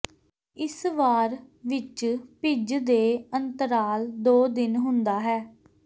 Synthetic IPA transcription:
ɪsʋaːɾʋɪt͡ʃpɪd͡ʒd̪eːənt̪əɾaːld̪oːd̪ɪnɦʊnd̪aːɦɛː

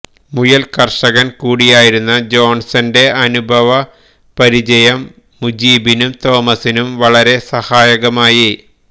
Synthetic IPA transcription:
mujɐlkɐrʂɐɣɐnkuːɽijaːjiɾunːɐd͡ʑo̞ːnsɐnde̞ɐnubʱɐʋɐ | pɐɾid͡ʑɐjɐmː | ud͡ʑiːbinumt̪o̞ːmɐsinumʋɐɭɐɾe̞sɐhaːjɐɣɐmaːji

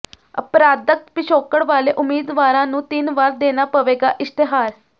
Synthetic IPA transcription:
ə̰pɾaːd̪ək̚t̪pɪʃoːkəɽʋaːleːʔʊmeːd̪ʋaːɾãːnũːt̪ɪnʋaːɾd̪eːnaːpəʋeːɡa̰ːʔɪst̪ɪɦaːɾ

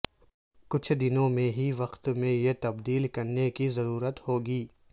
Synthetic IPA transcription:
kʊt͡ʃʰd̪ɪnõmẽɦiʋɐqt̪mẽjet̪ɐbd̪iːlkɐɾnekizɐɾuːɾət̪hoːɡiː

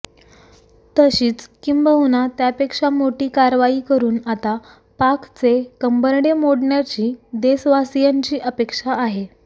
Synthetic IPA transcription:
t̪əɕiːt͡skimbəwnat̪japekʂamoʈiːkaɾʋaiːkəɾuːnat̪a | pakt͡sekəmbəɾɽemoɽɳjat͡ɕiːd̪esʋasijaɲt͡ɕiːʔəpekʂaːɦe

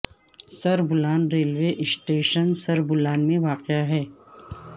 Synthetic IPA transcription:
sɐɾbʊlaːnɾeːlʋeʔɪsʈeːʃənsɐɾbʊlaːnmẽʋaːqɪaɦɛː

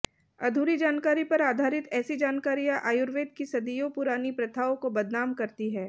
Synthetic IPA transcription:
ɐd̪ʱuːɾid͡ʒaːnkaːɾipɐɾaːd̪ʱaːɾɪt̪ɛːsid͡ʒaːnkaːɾijãʔaːjʊɾʋeːd̪kisɐd̪ijõpʊɾaːnipɾɐt̪ʰaːõkobɐd̪ʱnaːmkɐɾt̪iɦɛː

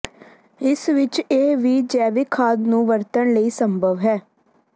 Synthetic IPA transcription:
ɪsʋɪt͡ʃeːʋiːd͡ʒɛːʋɪkʰaːd̪nũːʋəɾt̪əɳləiːsəmbʱəʋɦɛː

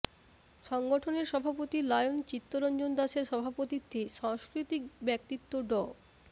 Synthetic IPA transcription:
ʃɔŋɡoʈʰoneɾʃɔbʱapot̪ilajont͡ɕit̪ːoɾɔnd͡ʑond̪aʃeɾʃɔbʱapot̪it̪ʰːeʃaŋskɾit̪ikbɛk̚t̪it̪ːoɖɔ

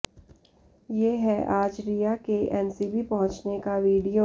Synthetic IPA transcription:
jeːɦɛʔaːd͡ʒɾijakeʔɛːnsibipɐɦʊ̃t͡ʃnekaʋiːɖijo

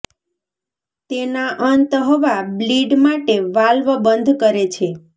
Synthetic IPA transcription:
t̪enaʔənt̪ɦɔʋabliɖmaʈeʋalʋəbənd̪ʱkəɾet͡ʃʰe

